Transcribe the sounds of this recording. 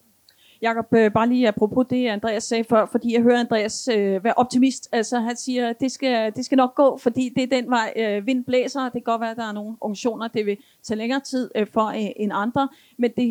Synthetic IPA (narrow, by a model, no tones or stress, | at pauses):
jɑ̈kʰɒ̽b̥øb̥ɑ̈ːliːæpʰʁo̝pʰo̝d̥e̝ænd̥ʁɛ̰ːæsːɛːfɶɐ̰fɒ̽d̥ḭːjɑ̈ɪɦøɐænd̥ʁɛ̰ːæsøʋæɐʔɒ̽b̥̚t͡sʰimisd̥ælsɒ̽ɦænsiːɐd̥e̝sɡ̥æd̥e̝sɡ̥ænɒ̽ɡ̥̚ːɔ̰̽ːfɒ̽d̥ḭːd̥e̝æɐd̥en̰ʋɑ̈ɪ̰øʋe̝n̰b̥lḛːsɐd̥e̝ɡ̥ɒ̽d̥ʋæɐd̥ɑ̈æɐno̝ːn̩ɔ̽ŋɕo̝̰ːnɐd̥e̝ʋe̝ | t͡sʰɛ̰ːleŋɐːt͡sʰið̰ˠfɒ̽eʔe̝nɑ̈nd̥ʁɐ | mend̥e̝